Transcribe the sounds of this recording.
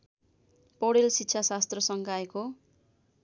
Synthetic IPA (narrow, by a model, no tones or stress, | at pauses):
poɽelsitːsʰasast̪rʌsʌŋɡaeko